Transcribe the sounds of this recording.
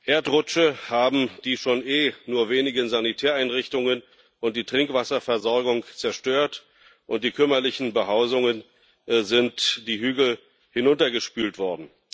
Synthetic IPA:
ʔeːɐtʁʊt͡ʃəhaːbm̩d̥iːʃoːnʔeːnuːɐveːnɪɡənzanitʰɛːɐaɪnʁɪçtʊŋən | ʔʊnt̚d̥iːtʁ̥ɪŋkv̥asɐfɛɐzɔɐɡʊŋt͡sɛɐʃtøːɐt | ʔʊntd̥iːkʰʏmɐlɪçn̩bəɦaʊzʊŋən | zɪntd̥iːɦyːɡl̩ | hɪnʊntɐɡəʃpyːltv̥ɔɐdn̩

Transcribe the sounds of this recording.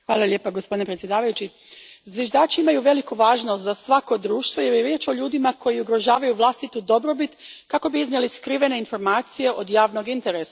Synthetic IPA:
xʋaːlˠalʲʎʲje̞ːpaɡospod̪inepɾesjd̪aːʋajut͡ɕi | zʋjeʒd̪aːt͡ʃiimajuʋe̞likuʋaːʒno̞st̪zasʋako̞d̪ɾuːʃt̪ʋo̞jeɾjeɾjeːt͡ʃo̞ʎuːd̪imako̞jiuɡɾo̞ʒaːʋajuʋlˠast̪it̪ud̪o̞bɾo̞bit̪kako̞biiznjeliskɾiʋe̞ne̞info̞ɾmaːt̪sije̞ʔo̞d̪jaːʋno̞ɡint̪e̞ɾesa

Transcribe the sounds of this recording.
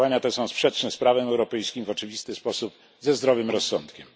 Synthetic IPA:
aɲat̪ɛsɔ̃w̃spʂɛt͡ʂnɛspɾavɛɛwɾɔpɛjskʲimvɔt͡ʂɘvʲist̪ɘspɔsup | zɛzd̪ɾɔvɘmɾɔsːɔnt̪kʲɛm

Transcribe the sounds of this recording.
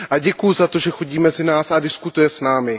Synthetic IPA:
ʔaɟɛkujɪzat̪o̞ʒɛxo̞ɟiːmɛzɪnaːsadɪskut̪ujɛsnaːmɪ

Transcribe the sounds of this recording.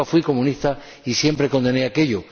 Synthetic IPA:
afwiko̞mũnist̪a | isjempɾe̞ko̞nd̪e̞neake̞ʎo

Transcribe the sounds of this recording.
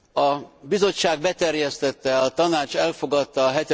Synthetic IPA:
ɒbizo̞t͡ʃːaːɡ̚bɛt̪ɛrjɛst̪ɛt̪ːɛɒt̪ɒnaːt͡ʃɛlfo̞ɡɒt̪ːɒːɦɛt̪ɛ

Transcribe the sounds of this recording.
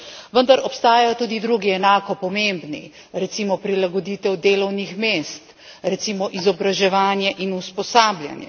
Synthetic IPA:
ʋənd̪aɾɔpst̪aːjajɔt̪uːd̪id̪ɾuːɡiɛnaːkɔpɔmembnḭ | ɾɛt̪simɔpɾilaɡɔd̪iːt̪ɛwd̪eːlɔwnixmeːst̪ | ɾɛt̪siːmɔʔizɔbɾaʒɛʋaːnjɛʔinuspɔsaːblʲja̰njɛ̰

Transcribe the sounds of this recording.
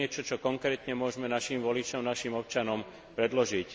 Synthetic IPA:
ɛt͡ʃɔt͡ʃɔkɔŋkɾɛːt̪ɲɛmʊɔʒmɛnaʃimʋɔlit͡ʃɔmnaʃimɔp̚t͡ʃanɔm | pɾɛd̪lɔʒic

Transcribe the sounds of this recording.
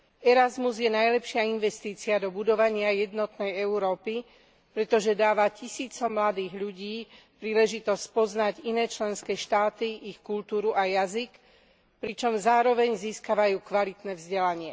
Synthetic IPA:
ɛɾazmuzjɛnajlɛpʃɪainʋɛst̪iːt͡siad̪ɔbud̪ɔʋaɲɪajɛd̪nɔt̪nɛjɛuɾɔːpi | pɾɛt̪ɔʒɛd̪aːʋacisiːt͡sɔmlad̪iːɣʎuɟiː | pɾiːlɛʒit̪ɔscpɔznaɟinɛːt͡ʃlɛnskɛːʃt̪aːt̪iʔixkult̪uːɾuʔajazik | pɾit͡ʃɔmzaːɾɔʋɛɲziːskaʋajuːkʋalit̪nɛvzɟɛlaɲɪɛ

